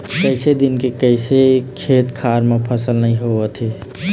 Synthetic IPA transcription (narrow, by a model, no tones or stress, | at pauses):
kəɪsed̪ɪnkekəɪsekʰeːt̪kʰaɾmẽpʰəsəlnəɦĩɦoət̪ʰe